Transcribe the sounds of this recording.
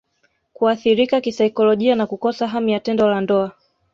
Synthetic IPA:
kuaθiɾikakisaikɔlɔʄianakukɔsaɦamijatɛndɔlandɔa

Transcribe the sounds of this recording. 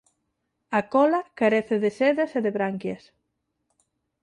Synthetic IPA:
akɔlɐkaɾeθɪðɪseðɐseðeβɾaŋkjas

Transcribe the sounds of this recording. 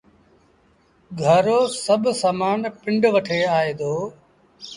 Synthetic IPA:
ɡʱəɾoːsəbʱsaːmaːnpɪ̃ɳɖʋəʈʰeːaːeːd̪oː

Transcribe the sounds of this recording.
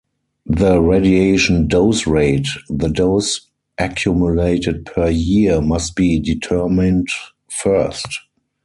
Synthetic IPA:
ðəɹedieɪʃə̃ndoʊsɹeɪtðədoʊs | ʔækʰjumjuleɪtɪd̚pʰə˞jimast̚b̥iːditʰɜmɪ̃nt | fɜ˞st

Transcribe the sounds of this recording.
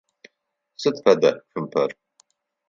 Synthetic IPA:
sɨt̪fɐd̪ɐxɨmpʰɐr

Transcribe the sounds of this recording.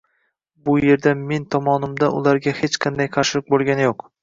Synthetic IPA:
bʊje̞ɾd̪ame̞nt̪ʰɒmɒnɪmd̪aʊ̰lˠaɾɡʲahet͡ʃqʰɨnd̪ajqʰɑɾʃɪlˠɪq̚bolˠɡʲanɪjoq

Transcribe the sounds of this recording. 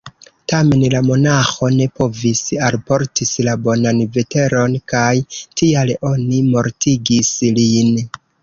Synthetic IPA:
tame̞nlamo̞naxo̞ne̞po̞visalpo̞ɾtislabo̞nanve̞te̞ɾo̞nkajtʰialo̞nimo̞ɾtʰiɡislin

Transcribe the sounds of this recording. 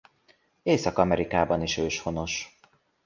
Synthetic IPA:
eːsɒkɒmɛɾikaːbɒniʃøːʃho̞no̞ʃ

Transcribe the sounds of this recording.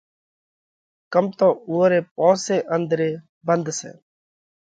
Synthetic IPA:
kəmt̪õːuːɾeːp̚ɔ̃ːseːʔənd̪ɾeː | bənd̪sḛː

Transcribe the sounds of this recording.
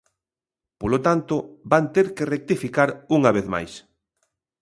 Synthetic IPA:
polot̪ant̪ʊbant̪eɾkerek̚t̪ifikaɾuŋaβeθma̰js

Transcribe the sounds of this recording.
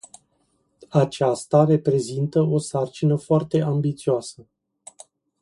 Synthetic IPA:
at͡ʃast̪are̞pɾe̞zint̪əo̞sart͡ʃinəfoart̪e̞ʔambit̪sioasə

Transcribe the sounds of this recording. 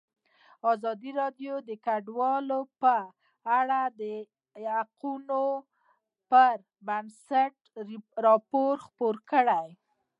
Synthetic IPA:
ɑzɑd̪iɾɑɖjod̪əkaɖwɑlopə | aɽad̪ə | jaquno | pəɾ | bansaʈ | ɾɑpoɾxpoɾkəɽaj

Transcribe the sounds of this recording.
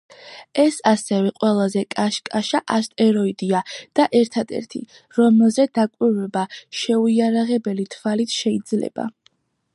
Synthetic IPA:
ɛsasɛvɛqʼwɛlˠazɛkʼaʃkʼaʃaʔast̪ʼɛɾɔid̪iad̪̥aʔɛɾt̪ʰad̪ɛ̰ɾt̪ʰḭ | ɾɔmɛlˠzɛd̪̥akʼwiɾvɛbaʃɛuiaɾaʁɛbɛlit̪ʰvalit̪ʰʃɛid̪zlɛ̰b̥a̰

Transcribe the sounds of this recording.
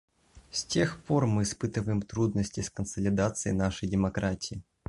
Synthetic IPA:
sʲtʲe̞xpo̞rmɨːɪspɨt̪ɨvəjɪmt̪ɾud̪nəsʲtʲɪskənsəlʲɪd̪at̪sɨjɪnaʂəjdʲɪmɐkɾatʲɪɪ

